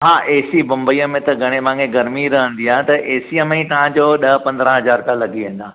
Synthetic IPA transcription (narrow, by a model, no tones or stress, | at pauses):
ɦaːʔeːsibɐ̃mbəiːəmẽt̪ɐɡʱɐɽ̃emãːŋẽɡɐɾmiɾɐɦə̃nd̪iaːɦẽt̪ɐʔeːsiəmẽt̪ɐʋ̤ãd͡ʑoːɗɐpɐ̃nd̪ɾə̃ɦɐzaːɾt̪ãlɐɡiʋẽːn̆d̪ãː